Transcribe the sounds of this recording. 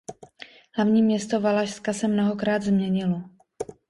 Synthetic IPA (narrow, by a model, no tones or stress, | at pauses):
ɦlavɲiːmɲɛst̪o̞valaʃskasɛmno̞ɦokɾaːd̪zmɲɛɲɪlo